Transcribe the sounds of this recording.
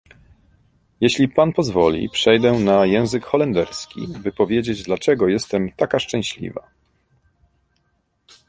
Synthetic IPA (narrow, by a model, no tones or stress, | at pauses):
jeɕlʲipanpɔzvɔlʲḭpʂɛjd̪ɛnajɛ̃w̃zɘkxɔlɛnd̪ɛɾskʲḭbɘpɔvʲjed͡ʑed͡ʑd̪lat͡ʂɛɡɔjɛst̪ɛmt̪akaʂt͡ʂɛ̃ɕlʲḭva̰